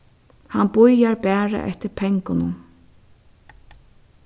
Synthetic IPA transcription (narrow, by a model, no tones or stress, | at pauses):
hanbʊjaɹbæːɹa̰ʔɛ̰ht̪ɪɾpʰɛŋkʊnʊn